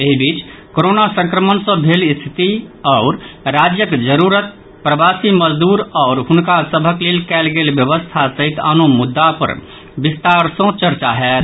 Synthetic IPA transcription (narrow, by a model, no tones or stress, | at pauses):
eɦibit͡ʃkoɾonasə̃ŋkɾəmənsə̃bʱelist̪ʰi̥t̪iɔʊɾɾad͡ʒjəkd͡ʒəɾuɾət̪̚ | pɾəbasiməd͡ʒd̪uɾɔːɾɦunkasəbʱəklelkɛlɡelbjəβəst̪ʰasəɦit̪ə̰nomud̪ːapə̰ɾ | bist̪aɾsə̃t͡ʃəɾt͡ʃaɦɛːt̪